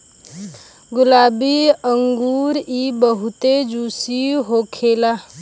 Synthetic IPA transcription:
ɡʊlaːbiəŋɡuːɾibəɦʊt̪ed͡ʒuːsiɦoːkʰela

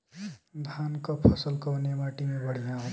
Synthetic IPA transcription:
d̪ʱaːnkəpʰəsəlkəːnjemaːʈimẽbəɽ̤ijãɦõ

